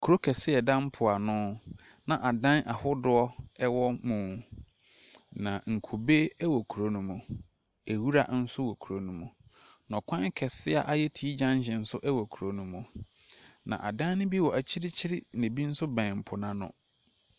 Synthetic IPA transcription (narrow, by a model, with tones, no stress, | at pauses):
kʰu˨ɾo˦kʰɛ˨sɪ˦ɛ˨dã˦m˦pʰʊ˨a˨nʊ̃˦ | nã˨ʔa˨dã˦nʔa˨hʊ˦dʊ˦ɔ˦ɛ˦wɔ˦mũ˨ | nã˨ŋ̩˨kʰu˨be˦wɔ˨kʰu˨ɾo˦nũ˦mũ˨ | æ˨wu˦ɾa˦n̩˦sʊ˦wɔ˨kʰu˨ɾo˦nũ˦mũ˨ | nɔ̃˨kʰʷã˦ŋ˦kʰɛ˨sɪ˦a̰˨ʔa˦jɛ˦tʰi˦i˦d͡ʑã˦ɲ˦ɕɪ̃˨n̩˦sʊ˦ʔɛ˦wɔ˨kʰu˨ɾo˦nũ˨˦mũ˨ | nã̰˨ʔa˨dã˦nʊ̃˦bi˦wɔ˨ʔæ˨t͡ɕʰi˦ɾɪ˦t͡ɕʰɪ˦ɾɪ˦˨nɪ̃˨bi˦n̩˦sʊ˦bɛ̃˨m̩˨pʰʊ˨nã˦nʊ̰̃˨